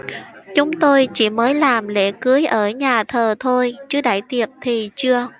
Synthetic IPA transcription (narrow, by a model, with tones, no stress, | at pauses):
t͡ɕʊ˨˦ŋ͡mt̪o˧jt͡ɕḭ˧˩məː˨˦jlaː˨˩mlḛ˧˥˩kɨ˨˦əjʔəː˧˩ɲaː˨˩t̪ʰəː˨˩t̪ʰo˧jt͡ɕɨ˨˦ɗa̰ː˧˩jt̪i˨˩ət̚t̪ʰi˨˩t͡ɕɨ˧ə